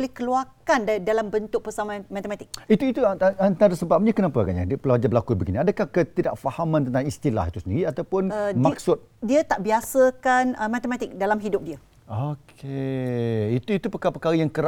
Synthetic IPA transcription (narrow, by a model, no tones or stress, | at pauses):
olɪhkəluakandadalambənt̪ʊk̚pəsamãmãt̪əmãt̪ɪk̚it̪uit̪uant̪aɾəsəbap̚ɲakənapaɡa̰ɲa̰dpəlawad͡ʒabəlakubəɡiniadakahkət̪idaʔfahamãnt̪ənt̪aŋist̪ila̰ɦit̪usəndiɾiat̪awpʊnmaksʊt̪̚diət̪aʔbiasəkanəmat̪əmãt̪ɪk̚dalamɦidʊp̚diə | okʰe | it̪uit̪upəkapəkaɾəjaŋkəɾa